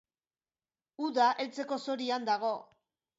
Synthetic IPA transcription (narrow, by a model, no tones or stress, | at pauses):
uðaʔe̞lt͡se̞ko̞so̞ɾiand̪aɣ̞o̞